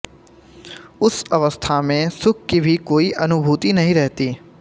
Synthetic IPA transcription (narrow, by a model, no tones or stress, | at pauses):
ʊsɐʋəst̪ʰamẽsʊk̚ʰkibʱikoːiʔɐnʊbʱuːt̪inɐɦĩɾɛɦt̪iː